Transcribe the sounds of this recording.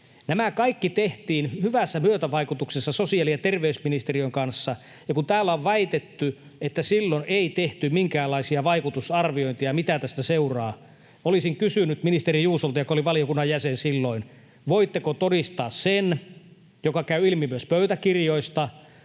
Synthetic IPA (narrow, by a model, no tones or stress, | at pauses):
næmækɑikːit̪eht̪iːnhyʋæsːæmyøt̪æʋɑikut̪uksesːɑsosiɑlijɑt̪erʋeysminist̪eriøiŋkɑnsːɑ | jɑkunt̪æːlːæoʋʋæit̪et̪ːy | et̪ːæsilːonʔeit̪eht̪ymiŋkæːlːɑisiɑʋɑikut̪usɑrʋioint̪ijɑmit̪æt̪æst̪æseurɑː | olisiŋkysynyt̪minist̪erijuːsolt̪ɑjokoliʋɑlijokunːɑjjæsensilːoin | ʋoit̪ːekot̪odist̪ɑːssen | jokɑkæyilmimyøspøyt̪ækirjoist̪ɑ